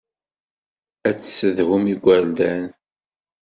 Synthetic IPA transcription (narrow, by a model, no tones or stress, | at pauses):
æt͡sːsəðhʊmiɡʷːæld̪æn